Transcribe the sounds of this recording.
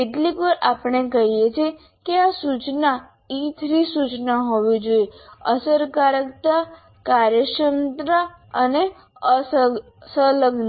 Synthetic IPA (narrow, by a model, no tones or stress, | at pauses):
eʈlikʋəɾapəɳ̃ekəɦijet͡ʃʰie | keasut͡ʃna | it̪ʰɾisut͡ʃnaɦoʋid͡ʒoiəsəɾkaɾəkt̪a | kaɾjəʃənt̪ɾa | əne | ə | sələɡn